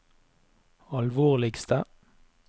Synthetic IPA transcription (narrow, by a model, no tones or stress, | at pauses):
ɑlʋoːʁlɪɡst̪ə